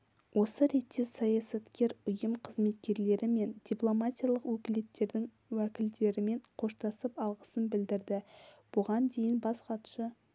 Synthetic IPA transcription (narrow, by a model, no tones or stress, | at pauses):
wʔo̞səɾe̞t̪ːe̞sɑjasɑt̪kʲe̞ɾʊjəmqʰəzme̞t̪kʲe̞ɾle̞ɾʔɪme̞nd̪̥ʲiplˠo̞mat̪ʲijalˠəqwɵkʲɪle̞t̪ːe̞ɾd̪ɪŋ | wækʲɪld̪e̞ɾɪme̞ɴqʰo̞ʃt̪ɑsəpɑlˠʁəsənbɪld̪ɪɾd̪ɪb̥ʊʁɑnd̪ejɪnbɑsqɑt̪ʃə